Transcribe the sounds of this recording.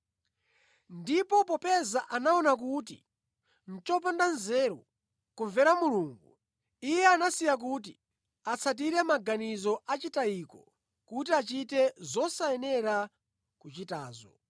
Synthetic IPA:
ndipɔpɔpɛzaʔanaɔnak̬ut̬ḭ | n̩t͡ʃɔpandanzɛːɾɔ | kuɱvɛɾamuluːŋɡṵ | ijɛanasijak̬ut̬ḭ | at͡sʰat̬iɾɛmaɡanizɔʔat͡ʃitaikɔ | kut̬iat͡ʃitɛzɔsaɛnɛɾa | kut͡ʃitaːzɔ

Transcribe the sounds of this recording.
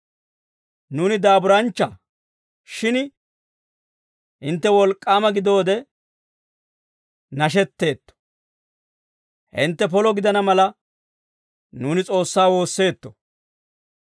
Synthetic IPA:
nuːnɪd̪aːbʊɾɐnt͡ʃːɐ | ʃɪn | ʔɪnt̪ːɛwɔlkʼːaːmɐɡɪd̪o̞ːd̪ɛ | nɐʃ̬ɛt̪ːe̞ːt̪ːɔ̥ | hɪ̰nt̪ːɛp̬ɔlɔɡɪd̪ɐnɐmɐlɐ | nuːnɪt͡sʼo̞ːsːaːwo̞ːsːe̞ːt̪ːɔ̥

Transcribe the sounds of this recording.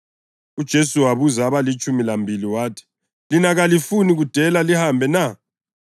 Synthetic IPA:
ud̥ʒ̥ʱesuwaβuzaːβalit͡ʃʼumilambʱiliwaːtʰi̥ | linaɣalifuniɣud̥ʱɛlalihambʱɛna

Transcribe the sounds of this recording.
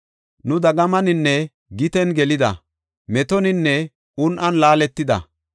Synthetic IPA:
nʊd̪ɐɡɐmɐnɪnːɛ | ɡɪt̪ɛnɡɛlɪd̪ɐ̰ | mɛt̪ɔnɪnːɛ | ʊnʔɐnlaːlɛt̪ːɪd̪ɐ̰

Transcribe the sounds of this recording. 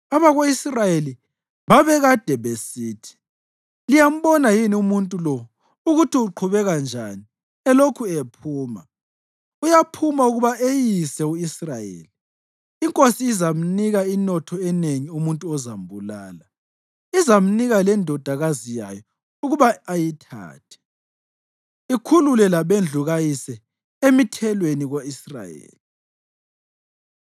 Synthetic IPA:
aβaɣoisrajeli | βaβɛɣad̥ʱɛβesiːtʰi̥ | lijam̩βɔnajiniumuntʼulɔ | uɣutʰiuǃʰuβɛɣand͡ʒʱa̰ni | ɛlokʰuepʰuːma | ujapʰumauɣuβaʔejisɛuisrajḛːliː | ŋkʼosiːzam̩niɣainɔtʰɔɛneŋiumuntʼuɔzambʱulaːla | izam̩niɣalɛndʱɔd̥ʱaɣazija̰jɔ | uɣuβaːjitʰa̰ːtʰɛ̥ | ikʰululɛlaβend͡ɮʱuɣajisɛ | emitʰɛlweniɣoisra̰jḛːli

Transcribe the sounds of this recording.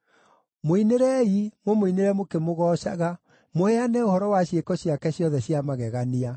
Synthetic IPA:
moineɾɛimomoineɾɛmokemoɣɔːʃa̰ɣa | moɛanɛohɔɾɔwaɕjekɔɕiakɛɕjɔðɛɕjamaɣɛɣania

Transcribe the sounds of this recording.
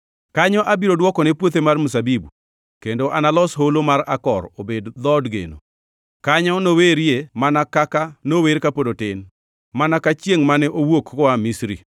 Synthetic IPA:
kaɲɔʔabiɾodwɔkɔnɛpwot̪emarmusabibu | kendoʔanalɔsɦolomaɾakɔ̰ɾobedd̪ɔdɡḛno̰ | kaɲɔnoweɾjemanakakanoweɾkapodotɪn | manakat͡ʃjeŋmanɛʔowokkɔwamisɾi

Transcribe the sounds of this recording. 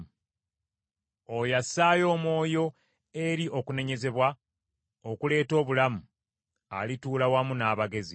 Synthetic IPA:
ojasaːjo̞ːmo̞ːjo̞ | e̞ɾiʔo̞kune̞ɲe̞ze̞βwa | okule̞ːto̞ːβulamu | a̰lituːlawamunaːβaɡe̞zi

